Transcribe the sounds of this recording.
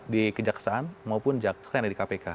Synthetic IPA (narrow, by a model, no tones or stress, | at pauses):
dikəd͡ʒaksaʔanmaupʊnd͡ʒaksaanaɾikapeka